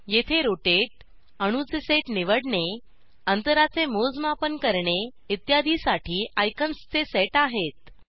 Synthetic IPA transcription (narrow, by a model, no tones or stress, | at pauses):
jet̪ʰeɾoʈeʈ̚ | əɽ̃ut͡seseʈniʋəɽɳe | ənt̪əɾat͡semod͡zmapənkəɾɳe | it̪jad̪ʱisaʈʰiːʔajkənst͡seseʈaɦet̪̚